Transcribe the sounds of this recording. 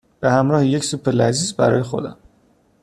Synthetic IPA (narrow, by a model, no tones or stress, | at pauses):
b̥ehæmɾɒːheje̞csupʰelæziːzbæɾɒ̰ːjexo̞̰d̪æ̰m